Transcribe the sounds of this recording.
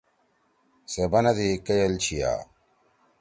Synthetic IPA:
sebɐnɐd̪ikɐjɐlt͡ɕʰija̰ː

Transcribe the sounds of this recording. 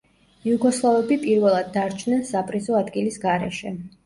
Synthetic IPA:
juɡɔslˠavɛbipʼiɾvɛlˠad̪̚ːaɾt͡ʃʰnɛnsapʼɾizɔad̪ɡilisɡaɾɛ̰ʃɛ

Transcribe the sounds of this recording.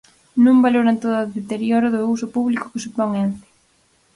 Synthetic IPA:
nũmbaloɾent̪oðaðet̪eɾjoɾʊðʊus̬ʊpuβlikʊ̥kesupɔŋant̪ɪ̥

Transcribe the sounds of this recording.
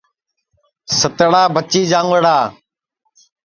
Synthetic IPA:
sət̪ɽaːbət͡ʃiːd͡ʒãːŋəɽaː

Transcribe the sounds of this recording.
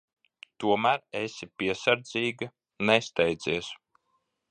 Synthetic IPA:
t̪uɔmæːɾesʲipiɛsaɾd̪ziːɡɨ | nɛst̪ɛjd̪zʲiɛs

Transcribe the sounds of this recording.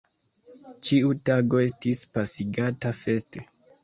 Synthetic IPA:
t͡ʃiutaɡo̞e̞stispasiɡatafe̞ste

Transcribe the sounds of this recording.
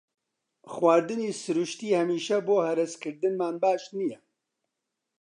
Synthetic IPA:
xwaːɾd̪ɨniːsɨɾuʃt̪iːhɛmiːʃɛboːhɛɾɨskɨɾd̪ɨnmaːnbaːʃnijɛ

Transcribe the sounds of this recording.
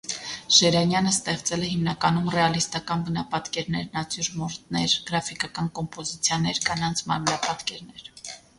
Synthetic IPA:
ʃɛɾɑnjɑnəst̪ɛχt͡sɛlɛhimnɑkɑnumrɛɑlist̪ɑkɑnbənɑpɑt̪kɛɾnɛɾnɑt͡sjuɾmɔɾt̪nɛɾɡ̥əɾɑfikɑkɑnkɔmpɔzit͡sʰjɑnɛɾkɑnɑnt͡sʰmɑɾmənɑpɑt̪kɛɾnɛɾ

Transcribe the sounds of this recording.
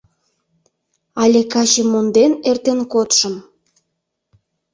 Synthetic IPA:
ɑlʲekɑt͡ɕemond̪enert̪enkot̪ʃə̆m

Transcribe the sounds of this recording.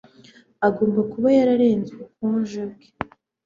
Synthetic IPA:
aɡoːmbakuβajaɾaɾeːnzwekuːnʒabɡe̥

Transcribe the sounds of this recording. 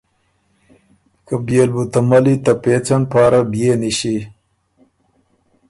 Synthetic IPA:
kabjelbut̪ɐmɐlit̪apeːt͡sanpaːɾabijeniɕi

